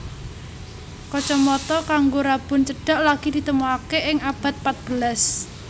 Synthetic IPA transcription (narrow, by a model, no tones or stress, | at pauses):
kɔt͡ʃɔmɔt̪ɔkaŋɡoɾab̥ʊ̤nt͡ʃəɖ̥a̤ʔlaɡ̥id̪̥it̪əmoakeʔɪŋab̥a̤t̪̚pat̪̚b̥əlas